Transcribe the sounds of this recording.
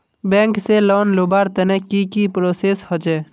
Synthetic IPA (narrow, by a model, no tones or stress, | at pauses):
bɛ̃ːŋkselɔːnlobaɾt̪ənekikipɾoseshɔd͡ʒɛ